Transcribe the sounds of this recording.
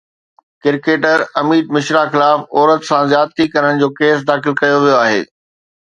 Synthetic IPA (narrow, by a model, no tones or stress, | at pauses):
kɪɾkeːʈəɾɐmiːd̪̚mɪʃɾaxɪlaːfɔːɾət̪sãzjaːt̪ʰikɐɾəɽ̃ɪ̆d͡ʑoːkeːs̬d̪aːxɪlkɐjoʋijoaːɦḛː